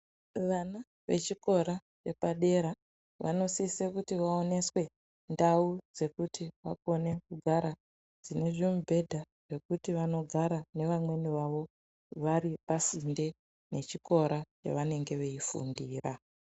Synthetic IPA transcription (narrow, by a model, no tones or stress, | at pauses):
ʋana | ʋḛt͡ʃiko̞ɾa | t͡ʃe̞paɗe̞ɾa | ʋa̰no̞sisekutiʋao̞ne̞swe̞ | ndaud͡ze̞kutʰiʋa̰ko̞ne̞kuɡʱaɾa | d͡zine̞ʐimubʱe̞dʱa | ʐ̥e̞kutiʋano̞ɡʱaɾane̞ʋamwe̞niʋaʋo̞ | ʋaɾipasinde̞ | ne̞t͡ʃiko̞ɾat͡ʃḛʋane̞ŋɡe̞ʋe̞ifṵndiːra